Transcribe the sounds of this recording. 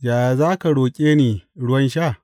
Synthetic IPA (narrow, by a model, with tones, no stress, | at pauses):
jaː˨ja˨zaː˦ka˨ɽoː˨kʲʼeː˦niː˨ɽʊ˦wɐ˦nʃaː˦˨